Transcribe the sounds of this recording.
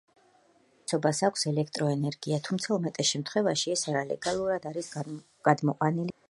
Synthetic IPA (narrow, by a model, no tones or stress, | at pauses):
t̪sʰɔbasakʷʰsɛlɛkʰt̪ʼɾɔɛnɛɾɡ̥iat̪ʰumt̪sʰaɔmɛt̪ʼɛʃɛmt̪ʰχwɛvaʃiɛsaɾalɛ̰ɡalˠuɾad̪aɾis | ɡ̥ad̪mɔqʼwanil